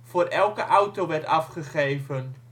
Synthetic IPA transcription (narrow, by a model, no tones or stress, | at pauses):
fʊːɾʔɛlˠkəʔawtowʋɛrtɑfχəχejvən